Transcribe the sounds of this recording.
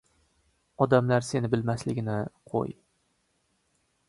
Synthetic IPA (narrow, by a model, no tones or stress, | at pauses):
ɒd̪amlaɾse̞nɪbɪlmaslɪɡʲɪnɪqʰo̰j